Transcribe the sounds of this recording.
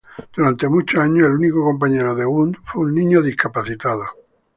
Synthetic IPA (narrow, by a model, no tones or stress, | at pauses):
d̪̥uɾant̪e̞mut͡ʃoaɲoelunikoko̞mp̬aɲeɾoðeɣund̪fweunnĩɲoðihkapaθit̪aðo